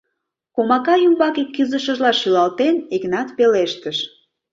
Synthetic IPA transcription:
komɑkɑjumbɑkikːyzəʃə̆ʒlɑʃylɑlt̪eneknɑt̪peleʃt̪əʃ

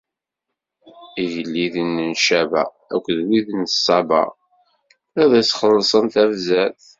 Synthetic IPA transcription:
iʝəlːiðənːənʃævæ̰ | æ̰kʷːðwiðənsˤːɑbɑ̰ | æðæsχəlːsˤənθævzæθ

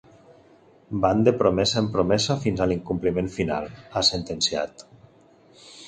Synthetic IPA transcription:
band̪epɾomɛsaempɾomɛzafinzaliŋkumplimẽɱfina̰lˠasent̪ensia̰t̪

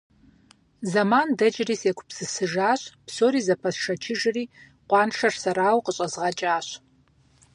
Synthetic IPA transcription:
zɐmaːndɐd͡ʒɪriːseːkʷʰpsɨsɨʒaːɕʼpsoːɾiːzɐpʰɐsʂɐt͡ʃʰɪʒɨriː | qʷɑːnʂɐrsɐɾaːwqəɕʼɐzʁɐt͡ʃʼaːɕ

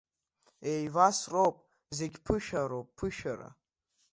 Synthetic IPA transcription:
ejvasrowpʼ | ze̞ɡʲpʰɨʃaɾowpʼpʰɨʃaɾa̰

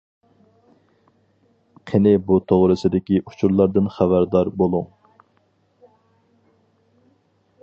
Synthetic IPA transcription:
qʰenɪbut̪ʰoʁɾɨsɨd̪ɪkʲiʔut͡ʃʰuɾlˠɑɾd̪ɨnχæbæɾd̪ɑɾbolˠuŋ

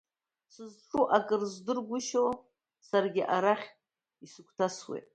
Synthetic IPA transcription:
sɨzʈ͡ʂʼuʔakʼɨrzdɨrɡʷʊʃow | sarɡʲɪʔaɾaχʲʼ | isɨkʷʰtʰaswḛtʼ

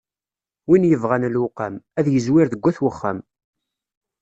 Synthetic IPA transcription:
winjəvʁanəlwʊqamæðjəzwɪɾðəɡʷːæθwəχːæm

